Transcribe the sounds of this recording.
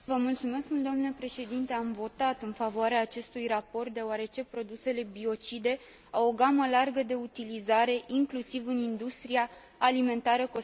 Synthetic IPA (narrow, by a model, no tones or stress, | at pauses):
vəmult̪sume̞skmuld̪oamnelepɾe̞ʃe̞d̪int̪e̞amvo̞t̪at̪ɨnfavoaɾeaːt͡ʃe̞st̪ujrapo̞rt̪̚d̪e̞oaɾe̞t͡ʃe̞pɾo̞d̪use̞le̞bio̞t͡ʃid̪e̞ | awo̞ɡaməlarɡəd̪e̞ut̪ilizaɾe̞ʔiŋklusivɨnind̪ust̪ɾiaː | lime̞nt̪aɾəko